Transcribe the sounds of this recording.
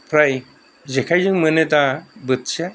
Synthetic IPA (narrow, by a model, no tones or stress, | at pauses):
pʰɾaj | d͡ʑekʰajd͡ʑɯŋmənet̪̬abɯt̪ɕa